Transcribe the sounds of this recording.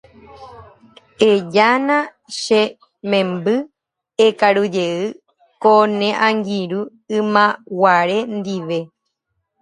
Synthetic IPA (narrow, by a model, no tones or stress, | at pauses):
ed͡ʒanã | ʃe | mẽmbɨ | ekaɾud͡ʒeɨ | konẽʔãŋɡiɾu | ɨ̃mãwaɾend̪iʋe̞